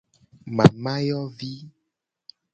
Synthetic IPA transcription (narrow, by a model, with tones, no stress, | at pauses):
mã˨mã˦jɔ˦vi˦